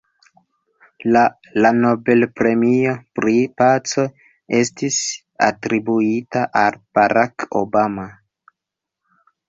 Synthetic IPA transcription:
la | lano̞be̞lpɾe̞mio̞pɾipat͡so̞ | e̞stis | a̰tɾibuitaʔalb̥aɾʔako̰bama

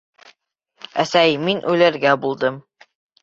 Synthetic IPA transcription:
æsæjminʔʉlæɾɡæbulˠd̪ɤm

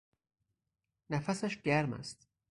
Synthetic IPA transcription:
næfæsæʃɟæɾmæ̰st̪

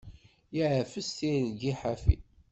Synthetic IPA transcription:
jiʕəfəsθiɡiħafḭ

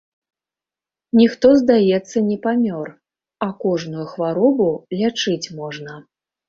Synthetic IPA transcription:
nʲixt̪ɔzd̪ajɛt̪sːɐnʲɛpamʲɔr | ɐkɔʐnujuxvaɾɔbulʲat͡ʂɨt͡sʲmɔʐnɐ

